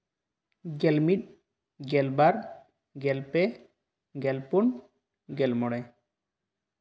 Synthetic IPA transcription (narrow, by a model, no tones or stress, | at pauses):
ɡɛlmit̪̚ˀ | ɡɛlbaɾ | ɡɛlpɛ | ɡɛlpun | ɡɛlmɔɽɛ